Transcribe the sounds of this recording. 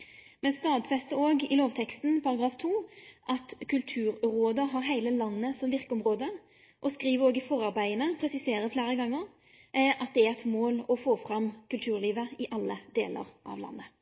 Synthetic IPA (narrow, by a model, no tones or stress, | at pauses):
mɛnst̪ɑːd̪fɛst̪əoːɡɪloːʋt̪ʰɛkst̪npʰɑɾɑɡɾɑːft̪ʰuːʔɑt̪kʰʉlt̪ʰʉːɾɾoːd̪əɦɑːʁɦæɪləlɑnːəsɔmʋɪʁkəɔmʁoːd̪ə | ʔɔskʁiːʋəoːɡɪfɔʁɑʁbæɪənəpʰɾɛsɪseːɾəfleːɾəɡɑŋːəʁ | ʔɑt̪̚d̪ɛæɛt̪moːlɔfoːfɾɑmkʉlt̪ʰʉːʁliːʋəɪʔɑlːəd̪ḛːlə̰ʁʔɑ̰ʋlɑ̰nːə